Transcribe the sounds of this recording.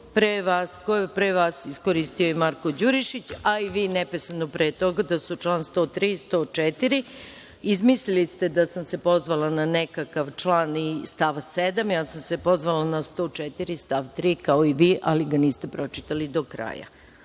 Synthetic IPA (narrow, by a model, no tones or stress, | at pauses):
pɾeʋaskoepɾeʋaːsiskoɾist̪ijoimaɾko̞d͡ʑuɾiʃit͡ɕaiʋiːnɛpesanopɾeːt̪o̞ɡad̪asut͡ʃlˠaːnst̪o̞ːt̪ɾiːst̪o̞ːt͡ʃɛt̪iɾi | izmislilist̪e̞d̪asamse̞po̞zʋalˠananekakaʋt͡ʃlˠaːnist̪aʋsed̪amjaːsamse̞po̞zʋalanast̪o̞t͡ʃɛt̪iɾist̪aʋt̪ɾiːkaoiʋiːʔʔaliɡaniːst̪e̞pɾo̞t͡ʃi̥t̪alid̪o̞kɾa̰ːja̰